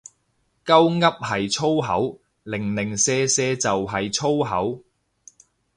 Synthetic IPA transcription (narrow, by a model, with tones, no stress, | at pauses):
kɐ˥wŋɐ˥p̚hɐ˨jt͡sʰo˥wɦɐ˨˥w | lɪ˨˩ŋlɪ˨˩ŋsɛː˧sɛː˧t͡sɐ˨wɦɐ˨jt͡sʰo˥wɦɐ˨˥w